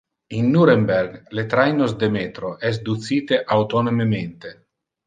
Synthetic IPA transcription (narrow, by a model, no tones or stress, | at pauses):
inːuɾemberɡlet̪ɾajnosd̪emeːt̪ɾoʔɛs̬d̪ut̪siːt̪eʔawt̪onomement̪e